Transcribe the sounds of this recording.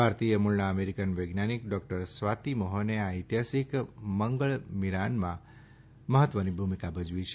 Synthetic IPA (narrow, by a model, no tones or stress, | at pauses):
bʱaɾt̪ijəmuɭnaəmeɾikənʋəɡnanikɖɔk̚ʈəɾsʋat̪imoɦoneait̪jasikməŋɡəɭmiɾanmã | məɦət̪ʋənibʱumikabʱəd͡ʒʋit͡ʃʰe